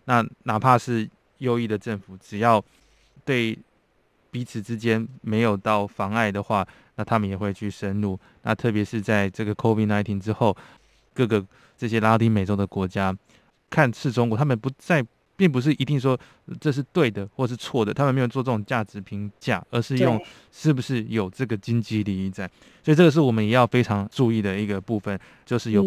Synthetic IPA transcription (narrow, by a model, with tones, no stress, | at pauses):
na˥˩na˨˩pʰa˥˧ʂɻ̩˥˩ | jo˥ʊi˥˩d̪ə˩ʈ͡ʂə˥˩nfu˨˩ʈ͡ʂɻ̩˨˩jɑ˥˩ʊ | t̪we˥˩ɪ | pi˧˥t͡sʰɹ̩˧˩˦ʈ͡ʂɻ̩˥t͡ɕjɛ˥nme˧˥ɪjo˨˩ʊt̪ɑ˥˩ʊfɑ˧˥ŋa˥˩ɪd̪ə˩xwa˥˩ | na˥˩t̪ʰa˥mə˨njɛ˨˩xwe˥˧ɪt͡ɕʰy˥˩ʂə˦nlu˥˩ | na˥˧t̪ʰɤ˥˩pjɛ˧˥ʂɻ̩˥˧t͡sa˥˧ɪʈ͡ʂɤ˥˩ɡə˩kʰo˥fi˥˩na˧˥ɪt̪ʰi˧˥nʈ͡ʂɻ̩˥xo˥˩ʊ | kɤ˥˩ɡə˩ | ʈ͡ʂɤ˥˩ɕ̬jɛ˥la˥t̪i˧˥me˨˩ɪʈ͡ʂo˧˥ʊd̪ə˨kwɔ˧˥t͡ɕja˥ | kʰa˥˧nʂɻ̩˥˩ʈ͡ʂʊ˥ŋkwt̪ʰa˥mə˨npu˧˥t͡sa˥˧ɪ | pi˥˩ŋp̬u˧˥ʂ̬ɻ̩˥˩ʔi˧˥t̪i˥˩ŋʂ̬wɔ˥˧ | ʈ͡ʂɤ˥˧ʂ̬ɻ̩˥˧t̪we˥˩ɪd̪ə˩xwɔ˥˩˨ʂ̬̩˥˧t͡sʰwɔ˥˩d̪ə˨˩a˥mə˨nme˧˥jo˨˩ʊt͡swɔ˥˧ʈ͡ʂə˥˩ʈ͡ʂʊ˨˩ŋt͡ɕja˥˩ʈ͡ʂɻ̩˧˥pʰi˧˥ŋt͡ɕja̰˥˩ə˧˥ʂɻ̩˥˧jʊ˥˧ŋ | ʂɻ̩˥˩bu˩ʂɻ̩˥˩jo˨˩ʊʈ͡ʂɤ˥˩ɡə˩t͡ɕi˥ŋt͡ɕi˥li˧i˥˩t͡sa˨˩ɪ | swɔ˧˥i˨˩ʈ͡ʂɤ˥˩ɡə˩ʂ̬̩˥˩wɔ˨˩mə˦njɛ˨˩˦jɑ˥˩ʊfe˥ɪʈ͡ʂʰɑ˧˥ŋʈ͡ʂu˥˧i˥˩d̪ə˩i˧˥ɡə˩pu˥˧fə˨n | t͡ɕjo˥˧ʊʂɻ̩˥˩jo˨˩ʊ